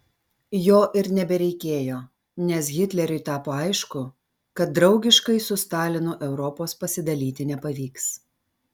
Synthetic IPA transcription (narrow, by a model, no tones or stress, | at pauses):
joːʔɪɾnʲɛbʲɛɾʲɛɪkʲeːjoː | nʲɛs̬ɣʲɪt̪ʲlʲɛɾʲʊɪt̪ɑːpoːɐɪʃkʊ | kɐt̪̚d̪ɾɒʊɡʲɪʃkɐɪsʊst̪ɑːlʲɪnʊʔɛʊɾɔpoːspɐsʲɪd̪ɐlʲiːt̪ʲɪnʲɛpɐʋʲiːks